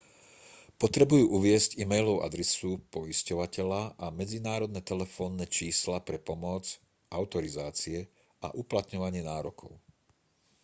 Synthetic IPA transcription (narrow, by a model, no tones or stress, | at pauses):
pɔt̪ɾɛbujuːʔuʋɪɛzcimɛjlɔʊʔa̰d̪ɾɛsupɔiscɔʋacɛʎaʔamɛd͡zinaːɾɔd̪nɛt̪ɛlɛfɔːnːɛt͡ʃiːslapɾɛpɔmɔd͡z | aʊt̪ɔɾizaːt͡siɛ | ʔa̰ʔuplat̪ɲɔʋaɲɪɛnaːɾɔkʰɔ̰ʊ